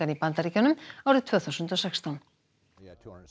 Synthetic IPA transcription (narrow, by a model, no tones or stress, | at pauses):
anipant̪aɾicanʏmawɾʏt̪ʰvœːθawsʏnt̪ɔsɛkst̪ʰan